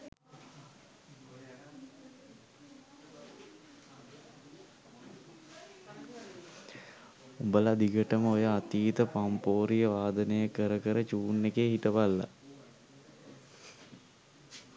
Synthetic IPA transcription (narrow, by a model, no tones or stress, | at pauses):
ubəlad̪iɡəʈəməojəat̪iːt̪əpampoːɾijəʋaːd̪ənejəkəɾəkəɾət͡ʃuːnːekeːɦitəʋalːa̰